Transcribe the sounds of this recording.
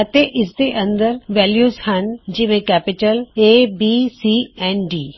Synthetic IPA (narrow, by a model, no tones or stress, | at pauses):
ɐt̪eʔɪsd̪eʔɐ̃nd̪əɾʋɛːljuːzhənd͡ʑiːmẽkɛːpɪʈəleːbiːsiːɛːnɖiː